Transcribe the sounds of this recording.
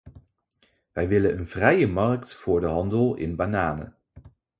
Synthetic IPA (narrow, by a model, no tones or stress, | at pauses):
ʋɛjʋɪlənənv̥rɛjəmɑrktfʊːɹdəɦɑndəlˠɪ̰nbanaːnə̰